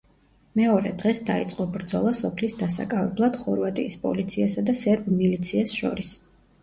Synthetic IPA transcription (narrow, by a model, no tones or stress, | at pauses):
mɛɔɾɛ̰d̪ʁɛsd̪ait̪sʼqʼɔbɾd̪zɔlˠasɔpʰlisd̪asa̰kʼavɛblˠad̪̥χɔɾvat̪ʼḭːspʼɔ̰lit̪sʰiasad̪asɛɾbmilit̪sʰiasʃɔ̰ɾis